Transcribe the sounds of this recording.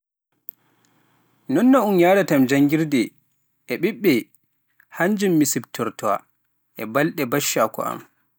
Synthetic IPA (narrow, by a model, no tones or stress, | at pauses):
nɔnːɔunjaɾatamd͡ʒaŋɡiɾdɛ | ʔɛɓiɓːɛ | haɲd͡ʒumːisibtʰɔɾtɔwa̰ | ʔɛbalɗɛbaʃːakɔ̰ʔa̰m